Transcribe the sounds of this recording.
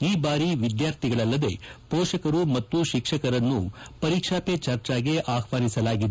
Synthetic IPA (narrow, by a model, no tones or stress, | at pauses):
iːbaːɾiʋid̪jaːɾt̪ʰiɡɐɭɐlːɐd̪e̞pɔːʃɐkɐɾumɐt̪ːuʃikʂɐkɐɾɐnːupɐɾikʂaːpet͡ʃɐɾt͡ʃaːɡeʔaːxʋaːnisɐlaːɡid̪e